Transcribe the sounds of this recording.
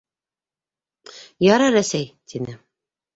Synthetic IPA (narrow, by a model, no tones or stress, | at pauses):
jɑɾɑɾæsæjt̪ʰinɘ